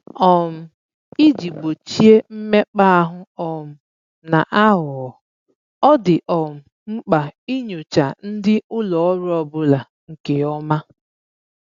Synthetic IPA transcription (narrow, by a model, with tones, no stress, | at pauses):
ɔ˨m̩˨ | i˦d͡ʒi˨ɡ͡bo˨t͡ʃi˦e˦m̩˦me˦k͡pa˦a˦ɦʊ˦ɔ˨m̩˨ | na˨ʔa˦ɦʊ˨ɔ˨ | ɔ˦dɪ˨ʔɔ˨m̩˨ | ŋ͡m̩˦k͡pa˨i˦ɲo˨t͡ʃa˨n̩˦dɪ˦ʊ˦lɔ˨ɔ˦ɾʊ˦ɔ˨bʊ˦la˨ | ŋ̩˨ke˨ɔ˦ma˦